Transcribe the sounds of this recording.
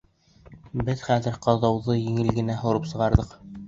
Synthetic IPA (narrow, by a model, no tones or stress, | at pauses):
bɘðχæðɘ̆ɾqɑðɑwðɤjĭŋɘlɡɘ̆næɦŏɾɤpsɤ̆ʁɑɾðɤq